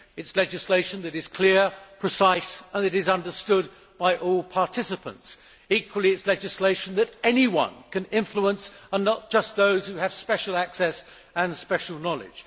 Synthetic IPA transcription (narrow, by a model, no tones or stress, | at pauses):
ɨtslɛd͡ʒɨsleɪʃɨ̃nðɨɾɨz̥kʰl̥ɪɹpʰɹ̥ɨsaɪsə̃nðɨɾɨzʌ̃ndə˞stʊd̚ | b̥aɪʔɔlˠpʰɑɹtʰɪsɨpə̰̃nts | ikʰwəlˠiɨtslɛd͡ʒɨsleɪʃn̩ðɨɾɛniwʌ̰̃nkʰɨ̃nɪ̃ɱfluə̃nsə̃nːət̚d̥ʒ̥ʌst̪̚ðoʊz̥hʉɨv̥spɛʃl̩ˠæksɛs | ə̃nspɛʃl̩ˠnɑlˠɪ̰d̥ʒ̥